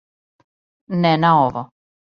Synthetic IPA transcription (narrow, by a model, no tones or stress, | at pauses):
nɛnaoʋɔ